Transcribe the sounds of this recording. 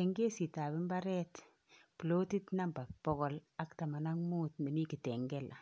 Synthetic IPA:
ɛ˨ŋɡe˦si˨ta˨bi˦mba˦ɾɛ˦t | plo˦ti˦tna˦mba˨pɔ˦ɣɔ˦la˦kta˨ma˨na˦ŋmuː˦tme˨ni˦ki˨tɛ˨ŋɡɛ˦lʔa˨

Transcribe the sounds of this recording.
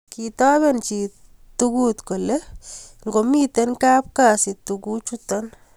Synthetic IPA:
kitɔ˦bɛ˦nt͡ʃi˨ | tuku˦t̪ko˨le˦ŋɡo˨mi˦t̪e˦nka˦p̚kasi˨tuku˦t͡ʃutɔn

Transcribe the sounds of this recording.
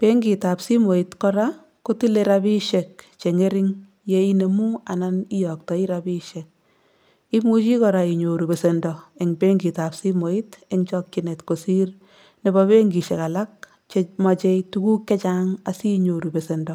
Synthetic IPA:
pe˦ŋɡi˨ta˨psi˦mo˨i˨tkɔ˦ɾa˦ | ko˦ti˦leɾabi˦ʃe˨k̚t͡ʃe˨ŋe˦ɾɪ˦ŋ | je˦i˦ne˨mu˦a˨na˦ni˦jɔ˨k̚tɔ˨i˦ɾabi˦ʃek̚ | i˦mu˦t͡ʃi˦kɔɾa˨i˨ɲo˨ɾu˨be˨se˨ndɔ˨e˨ŋbe˦ŋɡi˨ta˨psi˦mo˨i˦te˦ŋt͡ʃɔ˦k̚t͡ʃi˦ne˨tko˨si˦r | ne˨bɔbe˦ŋɡi˨ʃe˨ka˨la˦k̚ | t͡ʃe˦ma˨t͡ʃe˦itu˦ku˦kːe˦t͡ʃa˦ŋa˨si˦ɲo˨ɾu˨be˨se˨ndɔ˨

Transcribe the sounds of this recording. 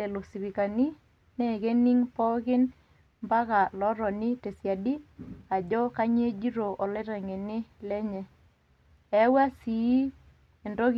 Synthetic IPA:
ɛ˨lo˨si˨bi˨ka˨ni˦ | nɛ˦˨ke˦ni˦ŋpɔ˦kɪ˦n | mba˦ka˨lɔ˦ɾɔ˨nɪ˦te˨sja˨di˦a˨d͡ʒɔ˦ka˦ɲ˦e˦d͡ʒi˦ɾo˨ʔɔ˨lɛ˦ɾa˨ŋe˨nɪ˦lɛ˦ɲɛ˦ | ɛ˨˦wa˦si˨i˦ | e˨ndɔ˦k

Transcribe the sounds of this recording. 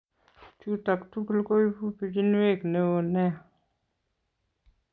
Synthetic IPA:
t͡ʃu˦ta˨ktu˦ku˦lko˦i˦pu˦pi˨di˦n˦we˦˨kne˦wo˨nɛ˦˨

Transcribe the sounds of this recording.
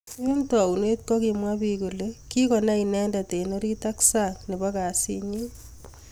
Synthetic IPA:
i˦ntɔ˨u˨ne˦t̚kɔ˦ki˨mwa˦piku˨leki˦kɔ˨na˦inɛ˦nda˨te˨no˦ɾi˦ta˦ksa˦ŋne˨baka˨sḭ˦ɲi˦

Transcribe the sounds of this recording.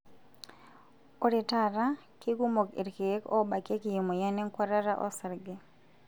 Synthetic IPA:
o˦ɾi˨ta˦ɾa˦kɪ˦ɡu˦mo˨kḛ˨ɾke˨˦kɔ˦ba˨ke˦ki˨jo˨mo˨ja˦ne˦ŋkwa˦ɾa˦ɾa˦ʔɔ̰˦sa˨ɾɡe˨

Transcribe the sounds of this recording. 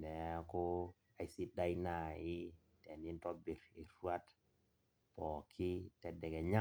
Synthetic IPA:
nɛ˨˦kɔ˦ | a˨si˦da˦ina˨ɪ˦ | tɛ˨ni˦ntɔ˦bi˨ɾi˨ɾwa˦t | pɔ˨kʰɪ˦tɛ˨dɛ˨kɛ˨ɲa˦

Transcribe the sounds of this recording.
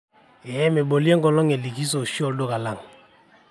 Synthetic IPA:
ɛ˨ɛ˦me˨bo˨li˦e˦ŋ˦ɔ˨lɔ˦ŋe˨li˨ki˦s̬o˨ʃi˦ɔ˦˨ldo˦ka˨la˦˨ŋ˨

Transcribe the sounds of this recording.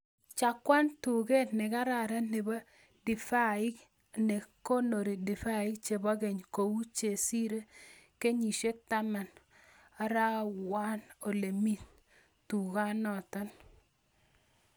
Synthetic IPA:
t͡ʃa˨kːwa˦ntu˨ɡe˦tnɪ˨ka˦ɾa˨ɾa˦ne˨ba˦ | dɪ˨fa˦ɪ˦k | ne˨ko˦no˨ɾi˨di˨fa˦ɪ˦k̚t͡ʃe˨ba˦ɡe˨ɲko˨wu˦t͡ʃe˨si˦ɾe˦ke˦ɲi˨ʃe˦k̚ta˦ma˨n | a˨˦ɾa˦wa˦no˨le˨mi˦t | tu˨ka˦nɔ˨tɔ˦n

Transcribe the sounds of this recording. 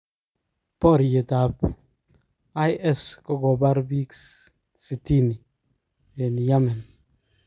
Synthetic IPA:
pɔ˦˨ɾje˨ta˨p | a˦jʔɛ˦˨skɔ˦kɔ˨ba˦ɾbi˦k | si˨ti˦ni˨ | je˨ni˨ja˦mɛ˨n

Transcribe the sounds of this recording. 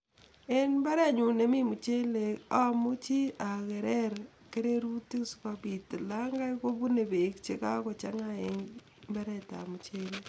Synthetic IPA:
e˦nmba˦ɾa˦˨ɲu˨ne˨mi˦mu˨t͡ʃe˦le˨a˦mu˦t͡ʃi˦a˨kɛ˨ɾɛ˦ɾ | ke˦ɾe˦ɾu˦ti˦˨su̥˦kapi˨ti˨laŋɡa˦ko˦βu˦ne˨be˨kt͡ʃe˦ka̰˦kɔ˨t͡ʃa̰˦ŋa˦e˦ŋ | mba˦ɾɛta̰˨mu˨t͡ʃe˦le

